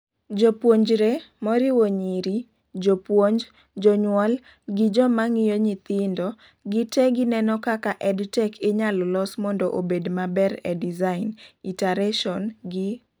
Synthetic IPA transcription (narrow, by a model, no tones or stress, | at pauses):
d͡ʒopwoɲd͡ʒɾemɔɾɪwoɲiɾi | d͡ʒopwoɲd͡ʒ | d͡ʒɔɲwɔl | ɡɪd͡ʒɔmaŋɪjoɲɪt̪ɪndɔ | ɡɪtɛɡɪnɛnɔkakaʔɛdtɛkʰɪɲallɔsmɔndɔʔobedmabɛɾɛdizaɪnitaɾɛʃɔnɡɪ